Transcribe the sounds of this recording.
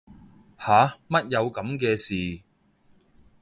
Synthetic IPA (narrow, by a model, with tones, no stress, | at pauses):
haː˨˧mɐ˥t̚jɐ˨˧wkɐ˨˥mk̬ɛː˧siː˨